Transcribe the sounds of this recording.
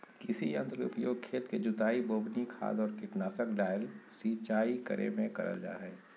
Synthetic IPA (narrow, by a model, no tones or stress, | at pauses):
kɪsiɐ̃nt̪ɾəʊ̰pjoːɡ̚kʰːeːt̪ked͡ʒʊt̪aːiboːbnikʰa̰ːd̪ɔːɾkɪʈnaːsəkɖaːjəlsiːt͡ʃaːikɐ̰ɾʔḛmẽkɐ̰ɾə̰ld͡ʒa̰ːɦɛː